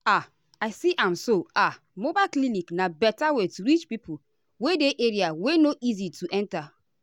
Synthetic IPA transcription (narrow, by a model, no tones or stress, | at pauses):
a | aɪsiʔãmsoa | mobaɪlkliniknabɛtawetɾit͡ʃpipu | wedeʔeɾiawenoʔizituʔɛ̃nta